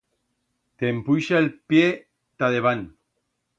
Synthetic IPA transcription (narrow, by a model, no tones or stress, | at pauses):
t̪empujʃaelpje | t̪aðeβan